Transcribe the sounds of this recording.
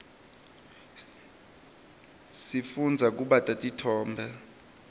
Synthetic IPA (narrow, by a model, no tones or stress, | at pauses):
sifund͡zʱak̬ʼuɓatʼatʼitʰɔːmbʱɛ